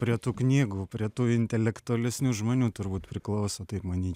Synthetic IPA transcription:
pʲɾʲiɛt̪uːknʲiːɡuːpʲɾʲiɛt̪uːɪnʲt̪ʲɛlʲɛkt̪ʊɐlʲɛsʲnʲuːʒmoːnʲuːt̪ʊɾbuːt̪pʲɾʲɪklˠɐʊsoːt̪ɐɪpmɐnʲiːt͡ʃʲ

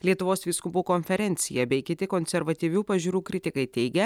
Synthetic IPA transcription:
lʲiɛt̪ʊʋoːsʋʲiːskʊpuːkoːnʲfʲɛɾʲɛnʲt̪sʲɪjɛbʲɛɪkʲɪt̪ʲɪkoːnʲsʲɛɾʋɐt̪ʲiːʋʲuːpɐʒʲuːɾuːkɾʲɪt̪ʲɪkɐɪt̪ʲɛɪɡʲɛ

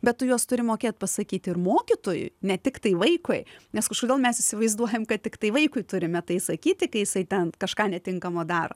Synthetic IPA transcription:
bʲɛtt̪ʊjuɔst̪ʊɾʲɪmoːkʲeːt̪̚pɐsɐkʲiːt̪ʲɪɾmoːkʲɪt̪oːjʊ̰ɪnʲɛt̪ʲɪkt̪ɐɪʋɐɪkoɪnʲɛskɐʃkoːd̪ʲeːlˠmʲɛsɪʃʲsʲɪʋɐɪzd̪uɔjɛmkɐttʲɪkt̪ɐɪʋɐɪkʊɪt̪ʊɾʲɪmʲɛt̪ɐɪsɐkʲiːt̪ʲɪkɐɪjɪsɐɪt̪ʲɛnkɐʃkɑːnʲɛt̪ʲɪŋkɐmoːd̪ɑːɾo̰ː

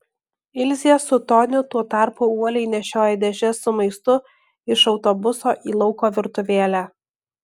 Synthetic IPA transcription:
ɪlʲzʲiɛsʊt̪ɔnʲʊt̪uɔt̪ɑˑɾpʊuɔlʲɛɪnʲɛʃʲoːjɪd̪ʲɛʒʲɛsʊmɐɪst̪ʊ | ɪʃɒʊt̪ɔbʊsoːʔiːlˠɒʊkoːʋʲɪɾt̪ʊʋʲeːlʲæ

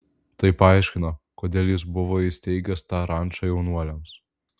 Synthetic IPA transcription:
t̪ɐɪpɑˑɪʃʲkʲɪnɐkoːd̪ʲeːlʲˠjɪs̬bʊʋoːɪsʲt̪ʲɛɪɡʲɛst̪ɑːɾɑˑnʲˑt͡ʃɑjɛʊnuɔlʲɛms

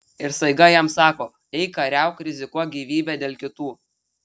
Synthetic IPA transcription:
ɪɾsɐɪɡɐjɛmsɑːkoː | ɛɪkɐɾʲɛˑʊkɾʲɪzʲɪkuɔɡʲiːʋʲiːbʲɛːd̪ʲeːlʲˠkʲɪt̪uː

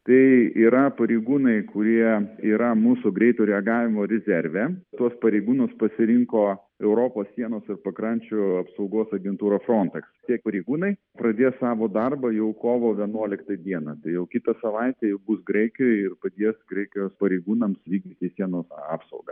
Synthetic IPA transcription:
t̪ɐɪiːɾɐpɐɾʲeɪɡuːnɐɪkʊɾʲiɛiːɾɐmuːsʊɡɾʲɛɪt̪uːɾʲɛɐɡɑːʋʲɪmoːɾʲɛzʲɛɾʲʋʲɛt̪uɔspɐɾʲeɪɡuːnʊspɐsʲɪɾʲɪŋkoː | ɛʊɾoːpoːssʲiɛnoːsɪrpɐkɾɐnʲt͡ʃʲʊɐpsɐʊɡoːsɐɡʲɛnt̪uːɾoːfɾoːnʲt̪ʲɛksɪt̪ʲiɛk̚pɐɾʲɛɪɡuːnɐɪ | pɾɐd̪ʲeːssɑːʋoːd̪ɐrbɐjɛʊkoːʋoːʋʲiɛnuɔlʲɪkt̪ɐd̪ʲiɛnɐt̪ɐɪjɛʊkʲɪt̪ɐsɐʋɐɪt̪ʲɛjɛʊbusɡɾɛɪkʲojɪrpɐd̪ʲeɛsɡɾɐɪkʲɪjoːspɐɾʲeɪɡuːnɐmsʋʲiːɡd̪ʲiːt̪ʲɪsʲiɛnoːsɑ̰ːpsɐ̰ʊɡɐ

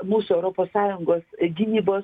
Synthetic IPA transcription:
muːsʊɛʊɾoːpoːsːɑːjʊŋɡoːsɡʲɪnʲiːboːs

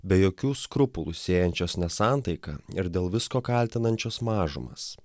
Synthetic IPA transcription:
bʲɛjoːkʲuːskɾʊpʊlˠʊsʲeːjɛnʲt͡ʃʲoːsnʲɛsɑˑnt̪ɐɪkɐ̰ːɪɾd̪ʲeːlˠʋʲɪskoːkɐlʲt̪ʲɪnɐnʲt͡ʃʲoːsmɑːʒʊ̰mɐ̰ːs

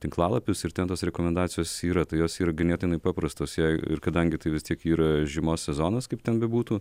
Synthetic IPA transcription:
t̪ʲɪŋklˠɑːlˠɐpʲʊsɪrt̪ʲɛnt̪oːsɾʲɛkoːmʲɛnd̪ɑːt͡sʲɪjoːsiːɾɐt̪ɐɪjoːsiːɾɐɡʲɪnʲeːt̪ʲɪnɐɪpɑːpɾɐst̪oːsjɛɪ̰ɪ̰ɾkɐd̪ɐŋʲɡʲɪt̪ɐɪʋʲɪst̪ʲiɛkiːɾɐʒʲɪmoːssʲɛzoːnoskɐɪpt̪ʲɛnbʲɛbuːt̪uː

